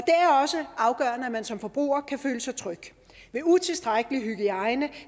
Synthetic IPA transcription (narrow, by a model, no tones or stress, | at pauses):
ɒ̽d̥e̝æɐɒ̽səɑ̈ʊɡ̥ɶ̰ːɐnəæmænsɒ̽mfɒ̽b̥ʁṵːɐkʰæføːləsɑɪt͡sʰʁœɡ̥ | ʋe̝ut͡sʰe̝lsd̥ʁaɡ̥əliɦyɡ̥iɑ̈ɪnə